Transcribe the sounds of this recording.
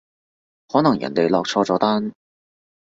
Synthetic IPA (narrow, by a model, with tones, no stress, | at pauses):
hɔː˨˥nɐ˨˩ŋjɐ̰˨˩nt̪e˨˧jlɔ˧k̚t͡sʰɔː˥t͡sɔː˨˥t̪aː˥n